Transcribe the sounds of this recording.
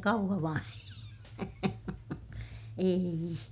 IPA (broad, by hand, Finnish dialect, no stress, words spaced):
kɑuhɑʋɑn eːi